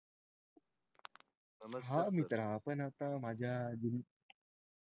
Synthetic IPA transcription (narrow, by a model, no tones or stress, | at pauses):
ɦamit̪əɾaːpənat̪aːmad͡ʒaːd͡ʒin